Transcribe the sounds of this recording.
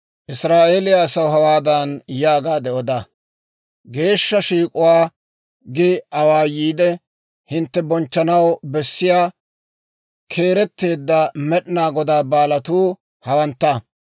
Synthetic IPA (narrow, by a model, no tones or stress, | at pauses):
ʔɪsɾaːʔe̞ːlɪjasɐwɦɐwaːd̪ɐnjaːɡaːd̪ɛʔɔd̪a | ɡe̞ːʃːɐʃiːkʼʊwaː | ɡɪɐwaːjiːd̪ɛ | hɪnt̪ːɛbɔnt͡ʃːɐnɐwbɛsːɪjaː | kʰe̞ːɾɛt̪ːe̞ːd̪ːɐmɛɗɪnaːɡɔd̪aːbaːlɐt̪uː | hɐwɐnt̪ːɐ